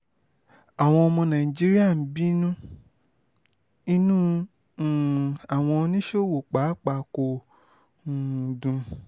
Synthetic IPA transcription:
a˨w̃ɔ̃˧ɔ˧mɔ̃˧nã˨i˨d͡ʒi˨˦ɾi˦a˦˨n̩˨˦bi˦nũ˦ | i˧nũ˦˨ | a˨w̃ɔ̃˧nĩ˦ʃo˦˨wo˨k͡pa˨˦k͡pa˧ko˨ | ũ˨dũ˧

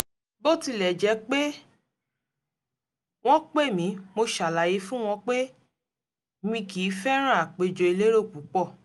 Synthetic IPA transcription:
bo˦˨ti˧lɛ˨d͡ʒɛ˨˦k͡pe˦ | w̃ɔ̃˦k͡pe˦˨mĩ˨˦mo˧ʃa˨la˨je˨˦fũ˦w̃ɔ̃˧k͡pe˦ | mĩ˧kiː˨˦fɛ˦ɾ̃ã˦˨a˨k͡pe˨d͡ʒo˧˨i˧le˦ɾo˦˨k͡pu˨˦k͡pɔ˦˨

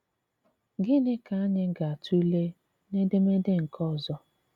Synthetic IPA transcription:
ɡɪ˦nɪ˦ka˨a˦nɪ˦ɡa˨a˨tu˦le˦ | ne˦de˦me˦de˦ŋ̩˨kɔ˦˨zɔ˦

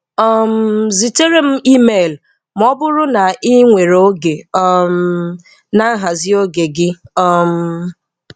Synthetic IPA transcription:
ɔ˦m̩˦zi˨te˦ɾe˦m̩˦i˦me˨l | m̩˦ɔ˦bʊ˦ɾʊ˦na˨i˦ŋʷe˨ɾo˦ɡe˨ɔ˦m̩ | na˦ɦa˨zɪ˦o˦ɡe˨ɡɪ˦ɔ˦m̩˦

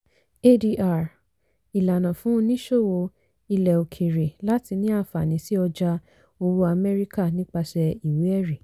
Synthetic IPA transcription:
e˦di˧ʔa˨ɾ | i˨la˨nã˨fũ˨˦˧nĩ˦ʃo˦˨wo˧ | i˧lɛ˨o˨kʰe˨ɾe˨la˨˦ti˧nĩ˦a˦˨fa˨nĩ˨˦si˦ɔ˧d͡ʒa˧ | o˧wu˧a˧mɛ˦ɾi˦ka˦˨nĩ˦k͡pa˧ʃɛ˧i˨we˨˦ɛ˦˨ɾe˨

